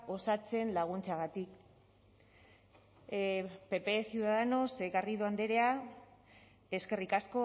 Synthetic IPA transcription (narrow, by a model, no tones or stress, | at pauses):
o̞sat͡se̞nlaɣ̞unt͡saɣat̪ik | pe̞pe̞siuðaðeno̞sekariðoand̪e̞ɾe̞a | e̞ske̞rikasko̞